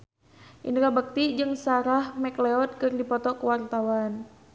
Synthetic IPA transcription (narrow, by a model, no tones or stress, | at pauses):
ʔḭnɾabək̚t̪id͡ʒɨŋsaɾahmɛklɛɔt̪̚kɨrdipɔt̪ɔkəwart̪awan